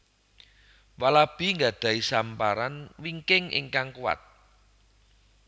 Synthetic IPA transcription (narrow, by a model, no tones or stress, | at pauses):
walab̥i̤ŋɡad̪̥ä̤isampaɾanwiŋkɪŋʔɪ̰ŋkaŋkuwa̰t̪̚